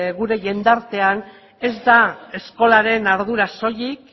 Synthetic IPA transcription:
ɣuɾe̞ʝe̞nd̪aɾt̪e̞an | e̞zd̪ae̞sko̞laɾe̞naɾð̞uɾaso̞jik

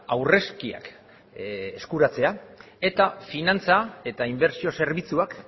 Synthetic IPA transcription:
awre̞skia̰k | eskuɾat͡se̞a | e̞t̪afinant͡sae̞t̪aimbe̞ɾsio̞se̞ɾβit͡suak

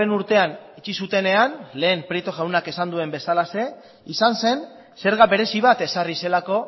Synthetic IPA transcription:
enuɾt̪e̞anit͡ʃisut̪e̞ne̞anle̞ːmpɾet̪oʝawnake̞sand̪ue̞mbe̞salase̞ | isanse̞n | se̞ɾɣaβe̞ɾe̞siβ̞at̪e̞sarise̞lako̞

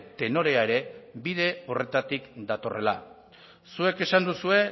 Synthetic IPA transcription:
t̪e̞no̞ɾe̞aeɾe̞biðe̞o̞re̞t̪at̪ikd̪at̪o̞re̞la | sue̞ke̞sand̪usue̞

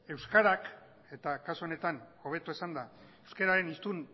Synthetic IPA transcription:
e̞wskaɾak | e̞t̪akasuone̞t̪ano̞β̞e̞t̪oesand̪aewskeɾaɾe̞nist̪un

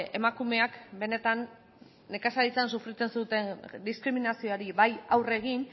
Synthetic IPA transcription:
e̞makume̞akbe̞ne̞t̪anː | e̞kasalit͡sansufɾit͡s̪e̞nsut̪e̞nd̪iskɾiminasioaɾiβajawre̞ɣin

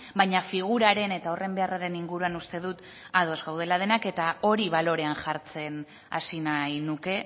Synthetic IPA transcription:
bajɲafiɣ̞uɾaɾe̞ne̞t̪ao̞re̞mbe̞araɾe̞niŋɡuɾuanust̪e̞ðut̪ | aðo̞zɣawð̞e̞lað̞e̞nake̞t̪ao̞ɾiβalo̞ɾe̞anʝaɾt͡se̞n | a̰sinajnuke̞

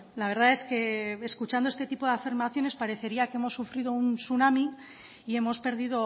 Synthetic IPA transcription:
laβe̞ɾðae̞ske̞eskut͡ʃand̪oe̞st̪e̞t̪ipo̞ðeafiɾmaθjo̞ne̞spaɾe̞θe̞ɾiakee̞mo̞sːufɾið̞ounsunami | ie̞mo̞spe̞ɾðiðo̞

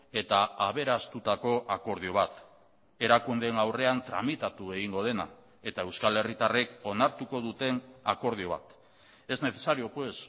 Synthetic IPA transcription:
e̞t̪aaβ̞e̞ɾast̪ut̪ako̞ʔako̞ɾð̞io̞β̞at̪ | e̞ɾakund̪e̞ːnawre̞ant̪ɾa̰mit̪at̪ue̞ɣ̞iŋɡo̞ð̞e̞na̰ | e̞t̪ae̞wskale̞rit̪are̞ko̞naɾt̪uko̞ðut̪e̞nako̞ɾð̞io̞β̞a̰t̪ | e̞zne̞θe̞saɾio̞pwe̞s

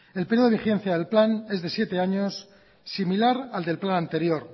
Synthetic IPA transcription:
e̞lpeɾjoixe̞n̟θjaðe̞lplane̞zðe̞sje̞t̪e̞aɲo̞sː | imilaɾald̪e̞lplanant̪e̞ɾjo̞ɾ

